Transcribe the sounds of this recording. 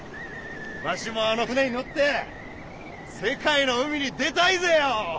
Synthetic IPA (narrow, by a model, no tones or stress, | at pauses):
baɕimo̞ano̞ɸɯ̟neɲ̟ino̞t̪ːe̞ | se̞kaino̞ɯ̟mʲiɲ̟id̪e̞t̪aizejo